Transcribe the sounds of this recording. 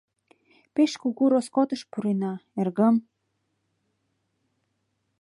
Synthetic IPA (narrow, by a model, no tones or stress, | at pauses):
peʃkuɣuɾoskot̪ə̆ʃpuɾenɑerɣə̆m